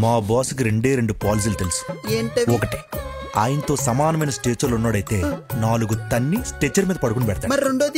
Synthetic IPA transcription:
maːbaːsuk̬iɾe̞ɳɖeːɾe̞ɳɖupaːlis̬iːlɐt̪elusu̥eːɔkɐʈi̥ | aːjɐnɐt̪o̞ːsɐmaːnɐmɐjnɐsʈeːt͡ʃɐlunːaːɽɐjt̪e̞ːnaːluɡut̪ɐnːisʈeːt͡ʃːɐɾmiːd̪ɐpɐɽukunipɛɽɐt̪aːmɐɾɾeɳɖoːd̪

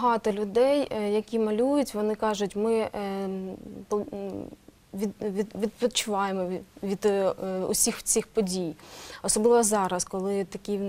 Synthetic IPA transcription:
ɦɑt̪ɔlʲʊd̪ɛjjɐkʲimɐlʲujʊtʲʋɔnɪkɑʒʊtʲmɪ | pɔ | ʋʲid̪ʋʲid̪ʋʲid̪pɔt͡ʃʊʋɑjemɔʋʲid̪ʊ̰sʲixt͡sʲixpɔdʲijɔsɔblˠɪʋɔzɑɾɐskɔlˠɪt̪ɐkʲi

